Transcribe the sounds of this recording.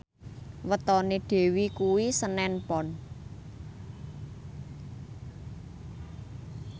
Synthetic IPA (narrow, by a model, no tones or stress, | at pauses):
wət̪ɔneɖ̪̥e̤wikuwisənɛnpɔn